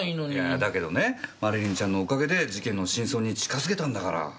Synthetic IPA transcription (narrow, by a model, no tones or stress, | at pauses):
inoɲad̪ake̞d̪o̞ne̞maɾɯ̟ɾʲĩɲ̟t͡ɕãnːo̞ːkaɡe̞d̪e̞d͡ʑikẽ̞nːo̞ɕĩɰ̃so̞ːɲ̟it͡ɕi̥kazɨke̞t̪ãnd̪akaɾa̰